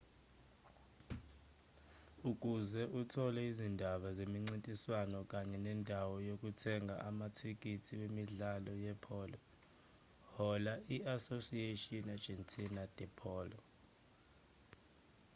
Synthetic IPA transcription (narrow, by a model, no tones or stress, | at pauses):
uk̬ʼuzɛʔutʰɔlɛizindʱaɓazemiŋ͡ǀintʼiswanɔk̬ʼaɲɛnɛndʱawɔjok̬ʼutʰɛŋɡʱa̰ʔamatʰik̬ʼitʰiwemiɮalɔjɛpʰɔːlɔ | hɔlaʔiasosietʼiɔnḁd͡ʒ̥ʱɛntʰʼinad̥ʱɛpʰɔːlɔ